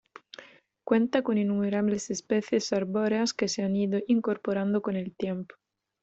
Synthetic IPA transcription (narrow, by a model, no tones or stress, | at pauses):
kwent̪akoninːumeɾaβlesespeθjesaɾboɾeaskeseaniðoʔiŋkoɾpoɾand̪okonelt̪jempo̥